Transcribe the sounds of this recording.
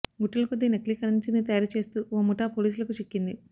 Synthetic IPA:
ɡuʈːɐlɐkod̪ːineklikɐɾɐnt͡ʃinit̪ɐjaːɾut͡ʃe̞ːst̪uːoːmuʈaːpo̞ːliːs̬ulɐkut͡ʃikːind̪i

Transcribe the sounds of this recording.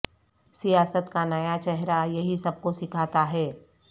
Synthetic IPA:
sijaːsət̪kanɐjat͡ʃɛɦɾajɐɦisɐb̚kosɪkʰaːt̪aɦɛː

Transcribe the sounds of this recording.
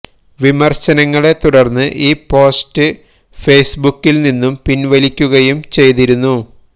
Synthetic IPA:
ʋimɐrɕɐnɐŋːɐɭe̞t̪uɽɐrnːɨʔiːpo̞ːstɨ | fe̞jsbukːilninːumpinʋɐlikʲːuɣɐjumt͡ɕe̞jt̪iɾunːu

